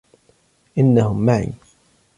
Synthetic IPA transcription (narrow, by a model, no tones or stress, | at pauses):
ʔɪnːahʊmːaʕḭ